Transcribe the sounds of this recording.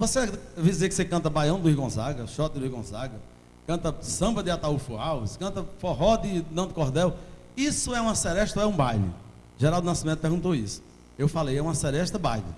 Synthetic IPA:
vosevid̪izekɪ̥sekɐ̃nt̪ɐbajɐ̃w̃d̪ʊihɡõzaɡɐʃɔt̪ɪd̪ʊihɡõzaɡɐ | kɐ̃nt̪ɐsɐ̃mbɐd̪ɪat̪aufuawse̥kɐ̃nt̪ɐfoɦɔd̪ɪnɐ̃w̃d̪ɪkɔɦd̪ɛw | isʊɛũmɐsɛɾɛʃt̪oɛũbajlɪ̰ | ʒɛɾawd̪ʊnasimẽt̪ʊpeɾɡũt̪oisʊ̥ | ewfalejɛũɐsɛɾɛʃt̪ɐba̰jlɪ

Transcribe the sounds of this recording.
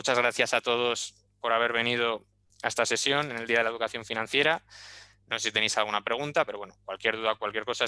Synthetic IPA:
mut͡ʃazɣɾaθjasat̪o̞ð̞o̞s | po̞ɾaβ̞e̞ɾβ̞e̞nið̞o | aest̪ase̞sjo̞nene̞ld̪iaðeleðukaθjo̞ɱfinãn̟θje̞ɾa | nose̞sit̪e̞nejsalɣunapɾe̞ɣ̞unt̪apeɾowe̞nokwalkje̞ɾðuðaokwalkje̞ɾko̞sa

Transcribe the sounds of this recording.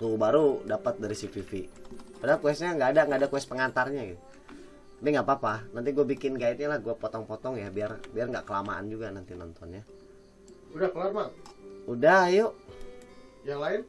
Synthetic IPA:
t̪ubaɾudapət̪̚daɾisififipadakuɛst̪ɲaŋɡaːdaŋɡaːdakuɛs̚pəŋat̪arɲaɡit̪u | t̪apiŋɡapapanant̪iɡuabikɪnɡait̪̚ɲalahɡuapɔt̪ɔŋpɔt̪ɔŋjabiarbiarŋɡa̰ʔkəlama̰a̰nd͡ʒuɡanant̪inɔnt̪ɔnɲa | udahkəlarmaŋudahjoʔ | jaŋlaɪn

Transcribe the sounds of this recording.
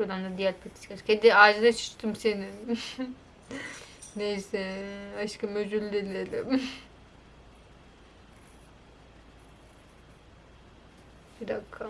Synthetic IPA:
od̪amd̪ad̪ijæɾpʰat̪ʰi̥i̥kaɾ̥ked̪iaɾd͡ʒɯd̪at͡ʃʰɯ̥t͡ʃt̪ʰɯmsenin | nejsɛaʃkamød͡ʒylʲːelʲelɪ̰ | bid̪akʰːa

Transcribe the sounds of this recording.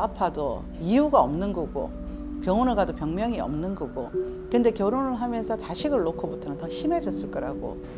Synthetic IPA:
apʰado | ijuɡaʌmnɯnɡʌɡo̰ | pjʌŋʌnɯɭɡadopjʌŋmjʌŋiʌ̰mnɯnɡʌɡo | kɯnde̞kjʌɾonɯɭɦamjʌnsʰʌt͡ɕaɕʰiɡɯɭːokʰʌbutʰʌnɯntʌɕʰimed͡ʑʌs͈ɯɭk͈ʌɾaɡo̰

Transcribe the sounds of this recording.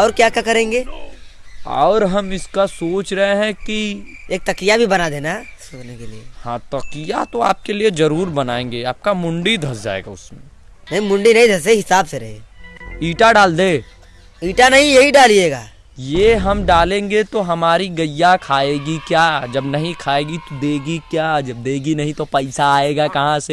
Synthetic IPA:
ɔːɾkjaːkjakɐɾẽːŋɡeː | ɔ̰ːɾɦɐmɪskasoːt͡ʃɾɐɦeɦɛ̃kieːk̚t̪ɐkijabʱibɐnad̪eːnasoːɾnekeliehãːt̪ɐkijat̪oa̰ːp̚keliezɐɾuːɾbɐnaːẽːŋɡeaːp̚kamʊ̃ɳɖid̪ʱɐs̬d͡ʒa̰ːḛːɡa̰ʊsmḛ̃ | nɐɦĩmʊ̃ɳɖinɐɦĩd̪ʱɐs̬eɦɪsaːbseɾɐɦḛiːʈaɖaːld̪eː | iːʈanɐɦĩjɐɦiɖaːlid͡ʒeːɡa̰ː | jeɦɐmɖaːlẽːŋɡet̪oɦɐmaːɾiɡɐjːakʰaːeːɡikjaːd͡ʒɐbnɐɦĩkʰaːeːɡit̪od̪eːɡikjaːd͡ʒɐb̚d̪eːɡinɐɦĩt̪opɐɪsaːeːɡakɐɦãse

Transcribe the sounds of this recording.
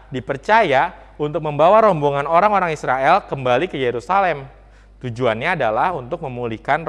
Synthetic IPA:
dipərt͡ʃaja | unt̪ʊk̚məmbawaɾɔmbuŋanoɾaŋoɾaŋisɾaɛlkəmbalikəjeɾusalɛm | t̪ud͡ʒuanɲaːdalahunt̪ʊk̚məmulihkan

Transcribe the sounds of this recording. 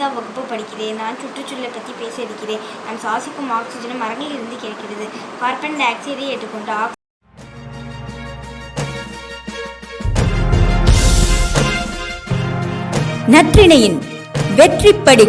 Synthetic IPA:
aːʋɐɣɯpːɐpːɐɽɪkːɪðeːnaːnt͡ʃʊʈrɯt͡ʃːʊllɐpːɐt̪ːipeːsɐɐðɪkːɪɾeːnaːmsaːsɪkːɯmaːksɪd͡ʒɐnɯmɐɾɐŋɡɐɭɪɾɯnd̪ɯkeːkːɪɾɐðɯkaːɾpɛɳɖaːksɪðieːʈrɯkːɔɳɖɯaːk | nɐʈrɪɳɐjɪn | ʋɛʈrɪpːɐɽɪ

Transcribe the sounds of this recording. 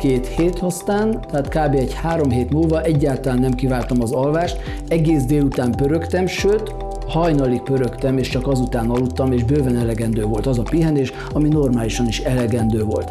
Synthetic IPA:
keːt̪heːt̪ɒst̪aːnt̪ɛaːt̪kaːbeːɛchaːɾo̞mɦeːt̪mulvɒʔɛɟːaːlt̪ɒlaːnːɛmkivaːlt̪ɒmɒzɒlvaːʃt̪ | ɛɡeːzd̪eːlut̪aːmpø̞ɾø̞kt̪ɛmʃøːt̪ | hɒjnɒlik̚pøɾø̞kt̪ɛmeːʃt͡ʃɒkɒzut̪aːnɒlːut̪ːɒmeːʒbøːvɛnɛlɛɡɛnd̪øːvo̞lt̪ɒzɒpiɦɛneːʃ | ɒmino̞rmaːliʃɒniʃɛlɛɡɛnd̪øːvo̞̰lt̪

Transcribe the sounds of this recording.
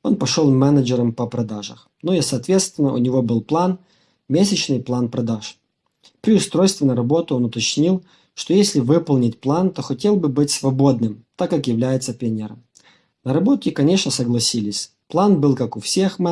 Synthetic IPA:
o̞npɐʂolˠmɛnəd͡ʒɪɾəmpəpɾɐd̪aʐə̰x | nojasɐːt̪vʲe̞t̪st̪vʲɪnːəʔʊ̰nʲɪvo̞bɨlˠplˠan | mʲesʲɪt͡ɕnɨjplˠanpɾɐd̪aʂ | pɾʲɪʊst̪ɾo̞jst̪vʲɪnəɾɐbo̞t̪ʊo̞nʊt̪ɐt͡ɕnʲilˠ | ʂt̪ojesʲlʲɪvɨpəlˠnʲɪtʲplˠant̪o̞xɐtʲe̞lˠbɨbɨtʲsvɐbo̞d̪nɨmt̪akːakjɪvlʲæjɪt̪səpʲenʲɪɾə̰m | nəɾɐbo̞t̪ʲɪkɐnʲe̞ʂnəsəɡlˠɐsʲilʲɪsʲ | plˠanbɨlˠkakʊfsʲe̞xm

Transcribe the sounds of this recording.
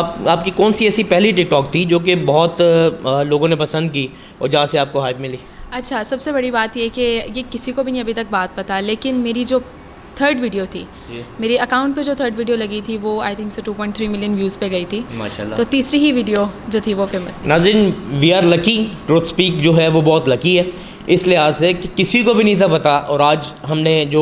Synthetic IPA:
aːp̚kikɔːnsiɛːsipɛɦliʈɪk̚ʈɔːk̚t̪ʰid͡ʒoːk̬ebɔɦɔt̪loːɡõnepɐsə̃nd̪̚kiː | ɔ̰ːɾd͡ʒɐɦãseaːp̚koɦaːɪpmɪliːɐtːʃʰasɐbsebɐɽibaːt̪jɛkejekɪsikobʱinĩɐbʱit̪ɐk̚baːt̪̚pɐt̪aleːkɪnmeːɾid͡ʒoː | t̪ʰəːɾɖʋiːɖijot̪ʰḭː | meːɾeɐkãːʊ̃ɳʈ̚ped͡ʒoːt̪ʰəːɾɖʋiːɖijolɐɡit̪ʰiʋoːa̰ːɪt̪ʰɪ̃ŋkseʈuːpɔ̃ːɪ̃ɳʈt̪ʰɾiːmɪljənʋjuːzpeɡɐit̪ʰima̰ːʃalːt̪ot̪iːsɾiɦiʋiːɖijod͡ʒoːt̪ʰiʋofeːməst̪ʰinaːzɾiːnʋiaːɾlɐkiʈɾoːt̪spiːkd͡ʒoːɦɛʋobɔːt̪lɐkiɦɛː | ɪslɪɦaːzsekekɪsikobʱinɐɦĩt̪ʰapɐt̪aʔɔːɾaːd͡ʒɦɐmned͡ʒoː

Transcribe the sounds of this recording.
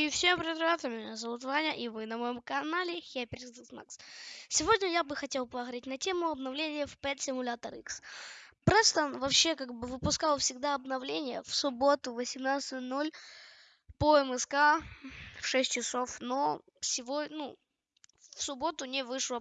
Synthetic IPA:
ifsʲepɾʲɪəd̪ɾɪvat̪əmʲɪnʲazɐvut̪vanʲəʔivɨnɐmɐjomkɐnalʲɪxʲapʲɪɾʲt̪ɨsma̰kssʲɪvo̞dʲnʲəjabɨxɐtʲe̞lˠpɐɣɾʲetʲnɐtʲe̞mʊɐbnɐvlʲenʲɪjəfpɛt̪sʲɪmʊlʲat̪əɾikspɾɛst̪ənvɐpɕe̞kaɡ̚bɨvɨpʊskalˠfsʲɪɡ̚d̪aɐbnɐvlʲenʲɪjə̰fsʊbo̞t̪ʊvəsʲɪmnat̪sɨt̪ʲnolʲ | poɛmɛska | fʂɛsʲt̚ʲt͡ɕɪsofno | fsʲɪvonu | fsʊbo̞t̪ʊnʲɪvɨʂlˠə

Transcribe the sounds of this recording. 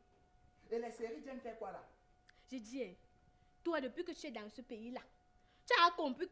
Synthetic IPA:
elesekid͡ʒenkɛkʷwala | d͡ʒid͡ʒie | tuadopikət͡ʃedaŋsupeila | t͡ʃaakom̩pi

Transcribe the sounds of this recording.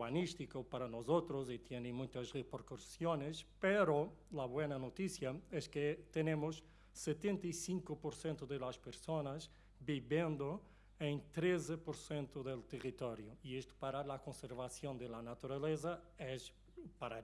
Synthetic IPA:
βanist̪ikopaɾanozot̪ɾozit̪jenẽmũjt̪ɐzʁepeɾkoɾsjonespeɾolaβwenɐnot̪isjɐɛsket̪enemʊsː | et̪ẽnt̪aisiŋkʊpoɾsẽnt̪ʊðelaspeɾsonɐz | biβjẽnd̪o | ẽnt̪ɾezepoɾsẽnt̪ʊðelt̪erit̪ɔɾjoiest̪ʊ̥paɾalakõnseɾβasjõnd̪elanat̪uɾalez̬aɛs | paɾa

